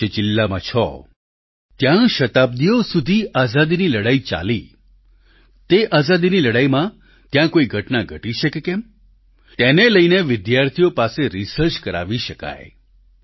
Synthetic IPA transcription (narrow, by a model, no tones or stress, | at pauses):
ed͡ʒɪlːamãt͡ʃʰɔ̰ | t̪jãʃət̪ab̚d̪ijosud̪ʱiʔazad̪iniləɽait͡ʃa̰li | t̪eʔazad̪iniləɽaimã | t̪jãkoiɡʱəʈnaɡʱəʈiʃekekɛm | t̪eneləjneʋɪd̪jaɾt̪ʰijopaseɾisəɾt͡ʃkəɾa̰ʋiʃəka̰j